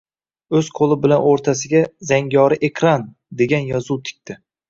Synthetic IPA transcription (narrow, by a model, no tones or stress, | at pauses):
ɵz̥qʰolˠɪbɪlanoɾt̪ʰas̬ɪɡʲazaŋɡʲɒɾɪʔekʲʰɾan | d̪e̞ɡʲanjɒzuwt̪ʰɪ̥k̚ʲt̪ʰɪ